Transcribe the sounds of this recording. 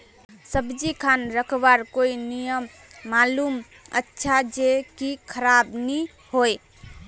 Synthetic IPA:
səbd͡ʒikʰanɾəkʰbaɾkoinijəmː | alum | ə̰tːʃʰad͡ʒekikʰəɾabni | hoj

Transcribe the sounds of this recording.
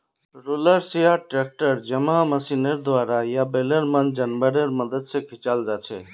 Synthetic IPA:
ɾuləɾsijaʈɾek̚ʈəɾd͡ʒəməməsineɾd̪ʱwaɾajabeleɾmənd͡ʒənbəɾeɾməd̪əd̪sẽkʰit͡ʃald͡ʒat͡ʃʰɛ

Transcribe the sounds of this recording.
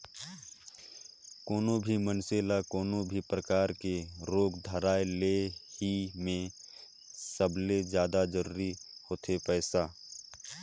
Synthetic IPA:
koːnõbʱimənseːlakɔːnõbʱipɾəkaːɾkeɾoːɡd̪ʱəɾaːelehimẽ | səbʱled͡ʒjaːd̪ad͡ʒəɾuːɾihoːt̪ʰepɛːsaː

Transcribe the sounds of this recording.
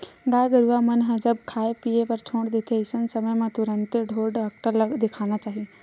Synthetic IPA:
daːɡəɾuamɐnɦɐd͡ʒəb̚kʰaːepiːepɐɾt͡ʃʰõːɳɽd̪et̪ʰeɪsənsɐməjmãt̪ʊɾə̃nt̪ɖʱoːɖəkʈələɡd̪ekʰaːɽ̃at͡ʃaːɦije

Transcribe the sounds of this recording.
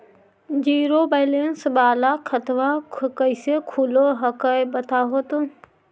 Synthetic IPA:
d͡ʒiːɾobaːlensbaːlakʰət̪ʋakkəɪsekʰuloɦɐkəjbət̪ʰaːɦoːt̪o

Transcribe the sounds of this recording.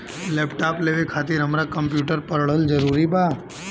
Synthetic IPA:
lepʈapleʋekʰat̪iɾɦəmɾakəmpjuʈəɾpəɾɭəld͡ʒəɾuɾiba

